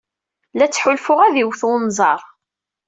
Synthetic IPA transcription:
læt͡sːħʊlfʊʁæðiwθnzˤɑɾˤ

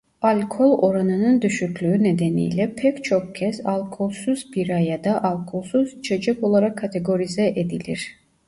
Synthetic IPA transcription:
alʲkʰo̞lˠo̞ɾanɯnɯnd̪yʃycʲlʲyyned̪enḭjlʲɛpʰɛct͡ʃʰo̞k̚cʰɛsalˠʲkʰolˠsuzbiɾajad̪aʔalˠkʰolˠsuz̥t͡ʃʰed͡ʒɛko̞lˠaɾakʰːat̪ʰe̞ɡo̞ɾizɛʔed̪ilʲiɾ̥

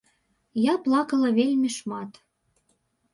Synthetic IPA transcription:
jɑplɑkə̆lɤ̆βelʲmʲeʃmɑt̪

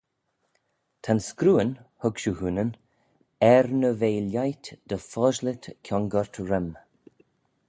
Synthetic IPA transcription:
t̪ʰanskɾuːənhʊɡʃuhuːnən | ɛɾnəveːljajt̪d̪̥əfɔʒlɪt̪kʲʰɔŋɡəɹt̪ɹɪm

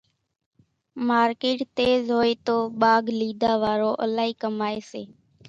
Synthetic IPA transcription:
maːɾkeːʈt̪eːzɦoːeːt̪oːɓaːɡliːd̪aːʋaːɾoːʔəlaːɦiːkəmaːeːseː

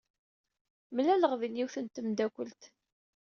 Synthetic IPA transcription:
mlæləʁvinjiwθənt̪əmd̪ækʷəlt̪

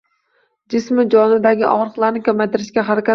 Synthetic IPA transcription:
d͡ʒɪsmɪd͡ʒɒnɪd̪aɡʲɪʔɒ̰ʁɾɨqlˠaɾnɪkʲʰamajt̪ɪɾɪʃkʲaɦaɾakʲa

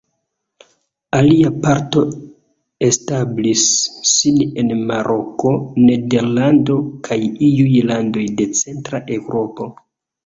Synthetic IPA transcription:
aliapaɾto̞ | e̞stablisːine̞nmaɾʔo̞ko̞ne̞de̞ɾlando̞kʰajijujlando̞jde̞t͡se̞ntɾaʔe̞wɾʔo̞po̞

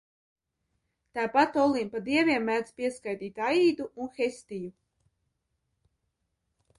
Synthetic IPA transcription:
t̪aːpat̪ɔlˠimpad̪iɛvʲiɛmːæːd̪spiɛskajt̪iːt̪ajiːd̪uʔunxest̪iju

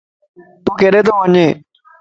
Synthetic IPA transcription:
t̪uːkeːɗeːt̪ʰoːʋəɲeː

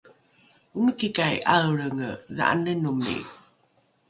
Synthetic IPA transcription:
uŋəkikajʔaɾəŋəða̰ʔa̰nənumḭ

